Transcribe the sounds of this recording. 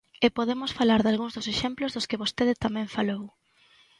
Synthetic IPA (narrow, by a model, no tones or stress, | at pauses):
epoðemʊsfalaɾðalɣuŋzðʊseʃemplʊzðʊskɪβost̪eðɪt̪amɛ̃ɱfalow